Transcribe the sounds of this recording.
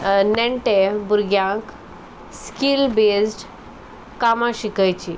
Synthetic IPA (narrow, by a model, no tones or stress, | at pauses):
nɛɳʈebuɾɡjãk | skilbesʈ | kamãɕikajt͡ɕi